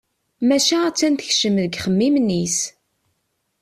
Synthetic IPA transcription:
mæʃææt͡sːænt̪əçʃəmðəɡχəmːimnis

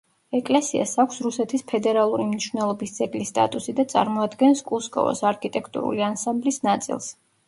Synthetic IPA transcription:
ɛkʼlɛsia̰sakʰʷsɾusɛt̪ʰispʰɛd̪ɛɾalˠuɾimniʃwvnɛlˠɔbisd̪z̥ɛɡlist̪ʼa̰t̪ʼusid̪at̪sʼa̰ɾmɔad̪ɡɛnskʼuskʼɔ̰vɔ̰saɾkʰit̪ʼɛkʰt̪ʼṵɾṵliansãmblisnat̪sʼḭlˠs

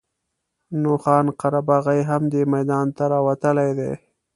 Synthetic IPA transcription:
noxɑːnqaɾabɑɣajɦamd̪emajd̪ɑnt̪aɾɑwat̪əlajd̪ḛ

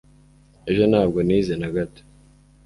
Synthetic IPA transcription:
eʒo̞naːb̚ɡo̞niːzenaɡato̥

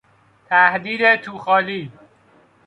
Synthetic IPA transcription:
t̪ʰæhd̪iːd̪et̪ʰuːxɒːliː

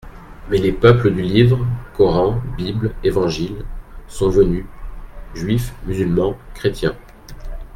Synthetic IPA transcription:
mɛlepœpləd̪ylivʁkɔʁɑ̃biblevɑ̃ʒilsɔ̃vəny | ʒɥifmyzylmɑ̃kχet̪jɛ̃

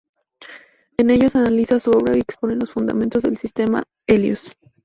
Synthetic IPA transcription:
e̞ne̞ʝosanalisasuo̞βɾaie̞kspo̞nelo̞sfund̪a̰mẽ̞nt̪o̞zðe̞lsist̪e̞ma̰ | e̞ljo̰s

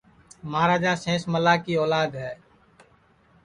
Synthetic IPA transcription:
maːɾaːd͡ʒãːsẽːsməlaːkiːɔːlaːd̪ɦɛː

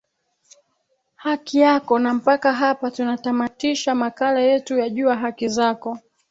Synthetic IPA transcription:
hakijakɔnam̩pakaɦapatunatamatiʃamakalajɛtujaʄuaɦakizakɔ

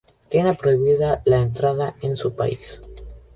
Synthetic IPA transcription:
t̪jenepɾo̞iβiðalaent̪ɾaðaensupa̰is

